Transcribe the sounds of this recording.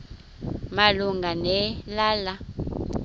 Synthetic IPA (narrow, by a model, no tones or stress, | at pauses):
maluŋɡanɛlaːla